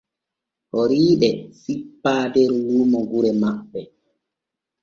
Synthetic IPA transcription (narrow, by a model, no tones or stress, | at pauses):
hɔɾiːɗɛsipːaːdɛɾluːmɔɡuɾɛmaɓːɛ